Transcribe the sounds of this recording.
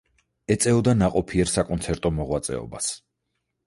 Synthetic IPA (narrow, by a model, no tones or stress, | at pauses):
ɛt̪sʼɛɔd̪anaqʼɔpʰiɛɾsakʼɔnt̪sʰɛɾt̪ʼɔmɔʁwat̪sʼɛ̰ɔ̰bas